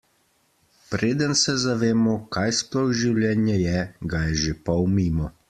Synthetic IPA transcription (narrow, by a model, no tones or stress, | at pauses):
pɾeːd̪ənsɛzaʋeːmɔkaːjsplɔwʒiwljɛːnjɛjɛɡajɛʒepawmiːmɔ